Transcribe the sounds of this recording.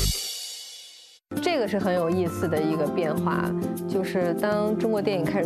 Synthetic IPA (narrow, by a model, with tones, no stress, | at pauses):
ʈ͡ʂɤ˥˩ɡə˩ʂɻ̩˥˩xə˧˥njo˨˩ʊi˥˧sɹ̩˩d̪ə˩i˧˥ɡə˧pjɛ˥˧nxwa̰˥˩t͡ɕjo˥˧ʊʂɻ̩˥˩t̪ɑ˥ŋʈ͡ʂʊ˥ŋkwɔ˧˥jɛ˥˩ni˨˩ŋkʰɪʂ